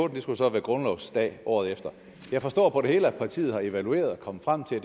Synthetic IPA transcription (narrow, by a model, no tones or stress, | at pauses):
oːd̥n̩d̥e̝sɡ̥usɒ̽ʋæɐɡ̥ʁɔ̽nlɒʊ̥sd̥ɛ̰ːʔɒ̰ːð̞̩ˠefd̥ɐ | jɑ̈ɪfɒ̽sd̥ɒ̰ːpʰɒ̽ɾ̥e̝he̝ːləæ̥pʰɑ̈t͡sʰḭːð̞̩ˠhɑ̈e̝ʋælue̝̰ːɐð̞̩ˠɒkʰɒ̽mə̥fʁam̰t͡sʰe̝d